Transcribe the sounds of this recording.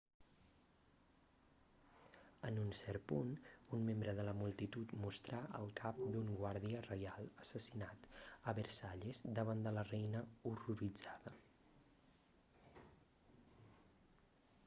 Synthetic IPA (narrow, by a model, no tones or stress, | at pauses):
ənunsɛɾpununmembɾəðələmulˠt̪it̪ut̪must̪ɾaʔə̰lˠkʰap̚d̪uŋɡwaɾðiərəjalˠəsəsinat̪əβəɾsaʎezd̪əβ̞and̪ələrɛjnəuruɾid͡zaðə